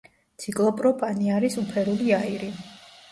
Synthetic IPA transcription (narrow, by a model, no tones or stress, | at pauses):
t̪sʰikʼlˠɔpʼɾɔpʼaniaɾisupʰɛɾuliaiɾi